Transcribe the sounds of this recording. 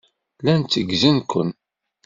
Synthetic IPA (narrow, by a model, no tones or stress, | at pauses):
lænt͡s̪ːəɡzənkʷə̰n